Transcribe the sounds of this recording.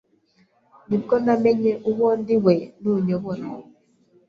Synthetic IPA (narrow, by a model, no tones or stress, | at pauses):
mikɔnamɛɲɛʔuwɔndiwɛnuɲɔwɔna